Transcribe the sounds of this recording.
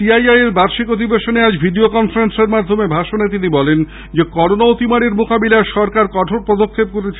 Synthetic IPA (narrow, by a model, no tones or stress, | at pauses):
iajajeɾbaɾʃikot̪ibeʃonead͡ʑbʱiɖiokɔnfaɾenseɾmad̪ʱomebʱaʃonet̪̬inibɔlen | d͡ʑekɔɾonaot̪imaɽeɾmokabilaeʃɔɾkaɾkɔʈʰoɾpɾɔd̪okʰːeb̚koɾet͡ɕʰ